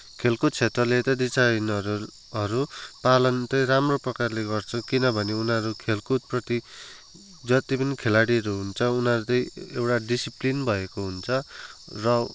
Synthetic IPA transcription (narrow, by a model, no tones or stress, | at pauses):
kʰelkut̪̚t͡sʰet̪rʌlet̪ʌd̪isajnʌɾu | ʌɾupalʌnt̪ʌjɾamroprʌkarleɡʌrt͡sʰʌkinʌbʱʌneunɦʌɾukʰelkut̪̚prʌt̪i | d͡zʌt̪ipʌnikʰelaɽiʌɾuɦunt͡sʰʌunʌɾut̪ʌj̃ewʈaɖisiplinbʱʌekoɦunt͡sʰʌrʌ